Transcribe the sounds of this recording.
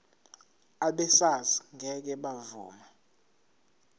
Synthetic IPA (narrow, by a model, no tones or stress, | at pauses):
aɓɛsaziŋɛk̬ɛɓavuːma